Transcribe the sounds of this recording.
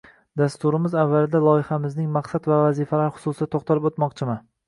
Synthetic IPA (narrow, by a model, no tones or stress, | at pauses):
d̪ast̪ʊɾɪmɪzavːalɪd̪alˠɒjɪhamɪznɪŋmaqsad̪vavazɪfalaɾχʊ̥sʊsɪd̪at̪ʰoqt̪ʰalɪpot̪mɒqt͡ʃʰɪman